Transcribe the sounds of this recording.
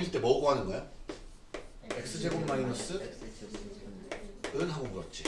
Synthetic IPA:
iɭt͈e̞mʌɯɡoɦanɯnɡʌjo | e̞k̚s͈ɯd͡ʑe̞bonmainos͈ɯ | ɯnɦaɡoɡɯɾʌt̚t͡ɕ͈i

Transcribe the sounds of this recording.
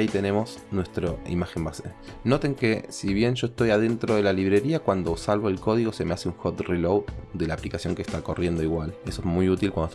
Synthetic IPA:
it̪e̞ne̞mo̞s | nwe̞st̪ɾoḭmaxe̞mbaseno̞t̪e̞ŋke̞siβje̞nʒo̞est̪o̞jaðe̞nt̪ɾoð̞e̞laliβ̞ɾe̞ɾiakwand̪o̞salβoelko̞ð̞iɣo̞se̞measeuŋxot̪rilowd̪e̞laːplikasjo̞ŋkest̪ako̞rʔje̞nd̪o̞iɣwale̞soezmujut̪ilkwand̪ot

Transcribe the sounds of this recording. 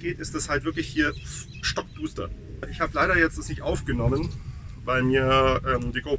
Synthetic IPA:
ɡ̥eːtɪstd̥ashaltvɪɐklɪçhiːɐ | ʃtɔk̚d̥uːstɐ̰ | ʔɪçhaːbəlaɪɾɐjɛt͡std̥asnɪçtʔaʊfɡ̥ənɔmənvaɪlmiːɐʔɛːmdiːɡʁoː

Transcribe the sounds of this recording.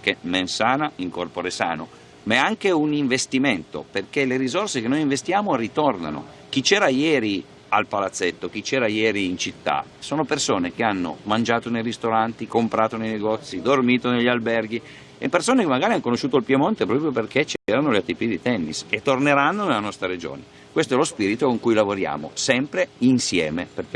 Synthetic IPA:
k̟emensaːnaiŋkorpoɾesa̰ːno̰ | maaŋkeuniɱvest̪iment̪o̰perkeleɾizorsekenːojiɱvest̪jaːmorit̪orna̰no̰ | k̟it͡ʃɛːɾajɛːɾi | alpalat̪sːet̪ːok̟it͡ʃːɛːɾajɛːɾiːnt͡ʃit̪ːa̰soːnopersoːnekeanːo̰mand͡ʒaːt̪onejrist̪oɾant̪ikompɾaːt̪onejneɡɔt̪sːid̪ormiːt̪oneʎːalbɛrɡ̟i | epːersoːnekemːaɡaːɾiankonoʃːuːt̪oilpjemont̪epɾɔːpɾjoperkʰet͡ʃeleɾanoleat̪ːipid̪it̪ɛnːḭset̪ːorneɾanːonelanɔst̪ɾaɾed͡ʒo̰ːne | kwest̪oɛlospiːɾit̪okoŋkujlavoɾja̰ːmo̰sɛmpɾeinsjɛ̰ːmeperk

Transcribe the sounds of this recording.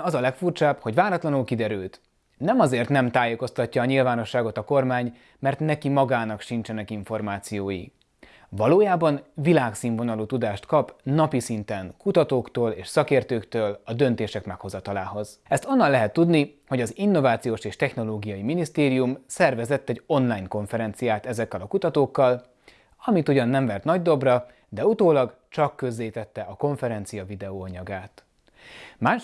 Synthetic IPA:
ɒzɒlɛkfurt͡ʃaːbho̞ɟvaːɾɒt̪lɒnulkid̪ɛɾylt̪ | nɛmɒzeːrt̪nɛmt̪aːjeko̞st̪ɒcːɒːɲilvaːno̞ʃːaːɡo̞t̪ɒko̞rmaːɲ | mɛrt̪nɛkimɒɡaːnɒkʃint͡ʃɛnɛkiɱfo̞rmaːt̪sijoːjḭ | vɒloːjaːbɒnvilaːksiːɱvo̞nɒluːt̪ud̪aːʃt̪kɒpnɒpisint̪ɛŋkut̪ɒt̪oːkt̪oːleːʃsɒkeːrt̪øːkt̪øːlɒd̪ø̞nt̪eːʃɛkmɛkho̞zɒt̪ɒlaːɦo̞zɛst̪o̞nːɒlːɛɦɛt̪ːud̪niho̞ɟɒzinːo̞vaːt̪sijoːʃeːʃt̪ɛxno̞loːɡijɒjiminist̪eːɾijumsɛrvɛzɛt̪ːɛɟo̞nlaːjnko̞ɱfɛɾɛnt̪sijaːt̪ɛzɛkːɛlɒkut̪ɒt̪oːkːɒl | ɒmit̪uɟɒnːɛɱvɛrt̪nɒɟd̪o̞brɒ | d̪ɛut̪oːlɒɡ | t͡ʃɒkːø̞zːeːt̪ɛt̪ːɛʔɒko̞ɱfɛɾɛnt̪sijɒvid̪ɛoːɒɲɒɡaːt̪ | maːʃ

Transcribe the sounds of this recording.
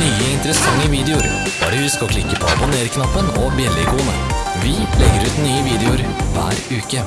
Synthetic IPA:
yːəɪnt̪əɾəsɑŋːəʋiːd̪ɛʊɾ | b̥ɑ̰ːɖəʉːskɔkʰlɪkːəpʰɔɑbʊneːɾkʰnɑpːənɔbjɛlːəɪkuːnə | ʋɪlɛɡəɾʉːt̪nyːəʋiːd̪ɛʊɾʋæ̰ːɾʉːkə

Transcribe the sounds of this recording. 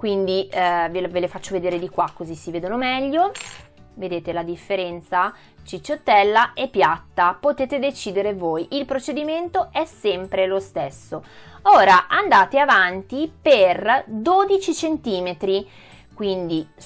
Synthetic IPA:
kwind̪ivevelefat͡ʃːoved̪eːɾed̪ikwakːozisːiveːd̪onomɛʎːo | ved̪eːt̪elad̪ifːeɾɛnt̪sa | t͡ʃit͡ʃːot̪ːɛlːaepːjat̪ːapot̪eːt̪ed̪et͡ʃiːd̪eɾevoːjʔilpɾot͡ʃed̪iment̪oɛsːɛmpɾelost̪esːooːɾaʔand̪aːt̪eavant̪iperd̪od̪it͡ʃit͡ʃent̪iːmet̪ɾi | kwind̪i

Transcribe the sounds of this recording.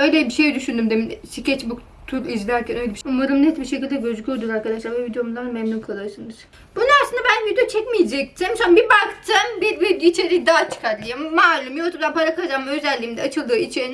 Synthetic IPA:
øjlʲɛbiʃejd̪yʃynd̪ymd̪eminsicʰɛt͡ʃbuk | t̪ʰuɾizlʲæɾcʲʰænø̞jlʲɛbiumaɾɯmnɛt̪biʃecʰʲilʲd̪ɛɟøzycʰʲoɾd̪unaɾkʰad̪aʃlˠaɾbɛvid̪ejo̞munˠanmɛmnumkʰalˠɯɾɯsɯnɯz̥ | b̥unuaslˠɯnd̪abænvid̪ijot͡ʃʰɛcmijd͡ʒɛc̚t̪ʰimsonbibakd͡ʒambiɾviɾɟit͡ʃʰeɾid̪aːt͡ʃʰɯ̥kʰaɾlˠɯjommaːlʲumjot̪umd̪anpʰaɾakʰalˠd͡ʒammøzɛlʲːiːmd̪ɛat͡ʃʰɯlˠd̪ɯːit͡ʃʰeɾin

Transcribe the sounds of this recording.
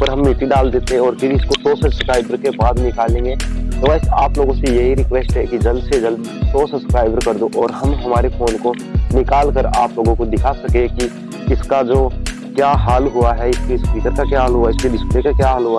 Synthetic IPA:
pɐɾɦɐ̃mːɪːʈiɖaːld̪eːt̪eɦɛ̃ɔːɾpʰɪɾɪskosoːsɐskɾaːɪbəɾkebaːd̪nɪkaːlːẽːŋɡet̪oʋɛːsaːploːɡõsejɐɦiɾɪkʋeːsʈɦɛkid͡ʒɐlsed͡ʒɐl | soːsɐskɾaːɪbəɾkɐɾd̪oʔɔːɾhɐmɦɐmaːɾefoːnko | nɪkaːlkəɾa̰ːploːɡõkod̪ɪkʰasɐkẽki | ɪskad͡ʒoː | kjaːɦaːlɦʊaɦɛɪskeɪskiːkəɾkakjaːɦaːlɦuaɪskeɖɪspleːkakjaːɦaːlɦʊa

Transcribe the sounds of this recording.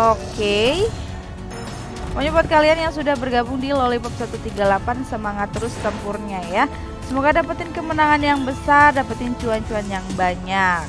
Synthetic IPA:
oke | məɲəbat̪̚kalianjaŋsudahbərɡabʊŋdilolipap̚sat̪ut̪iɡalapansəmaŋat̪ːəɾʊst̪əmpʊrɲaja | səmoɡadapat̪ɪnkəmənaŋanjaŋbəsardapat̪ɪnt͡ʃuant͡ʃuanjaŋbaɲak

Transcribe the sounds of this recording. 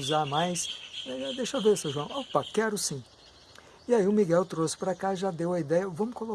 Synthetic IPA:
zamajsɛad̪eʃɐvesẽʒuɐ̃w̃opakɛɾʊsĩ | iaiʊmiɡɛwt̪ɾosɪ̥pɾakaʒad̪ewɐid̪ɛjɐvɐ̃mʊkolo

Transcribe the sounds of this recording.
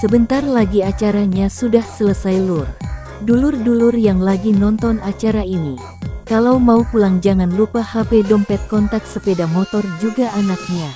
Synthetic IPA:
səbənt̪arlaɡiat͡ʃaɾaɲasudahsələsajlʊr | dulʊrdulʊrjaŋlaɡinɔnt̪ɔnat͡ʃaɾaini | kalawmaupulaŋd͡ʒaŋanlupahapedɔmpɛt̪̚kɔnt̪ak̪̚səpedamɔt̪ɔrd͡ʒuɡaʔanak̚ɲa

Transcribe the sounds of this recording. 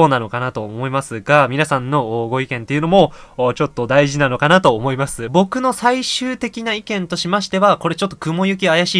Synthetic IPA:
oːnano̞kanat̪o̞omo̞imasɨɡamʲinasãnːo̞ɡo̞ikẽ̞nt̪e̞iɯ̟no̞mo̞ːt͡ɕo̞t̪ːo̞d̪aiʑinano̞kanat̪o̞ːmo̞imasɨbo̞kɯ̟no̞saiɕɨːt̪e̞kʲinaikẽ̞nt̪o̞ɕimaɕi̥t̪e̞βako̞ɾe̞t͡ɕo̞t̪ːo̞kɯ̟mo̞jɯ̟kʲiajaɕiː

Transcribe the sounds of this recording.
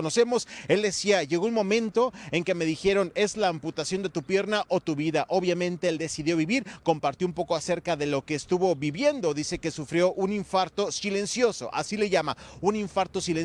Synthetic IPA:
onose̞mo̞se̞ld̪e̞siaʝe̞ɣo̞unmõ̞mẽ̞nt̪o̞e̞ŋke̞me̞ðixe̞ɾo̞ne̞zlaːmput̪asjo̞nd̪e̞t̪upje̞ɾnaʔot̪uβiðaʔo̞βjamẽ̞nt̪e̞eld̪e̞siðjo̞βiβiɾko̞mpaɾt̪joumpo̞koase̞ɾkaðe̞lo̞ke̞ːst̪uβo̞βiβje̞nd̪o̞ðise̞ke̞sufɾjo̞ʔuniɱfaɾt̪o̞sile̞nsjo̞so̞̰ʔa̰sile̞ʝamauniɱfaɾt̪o̞sile

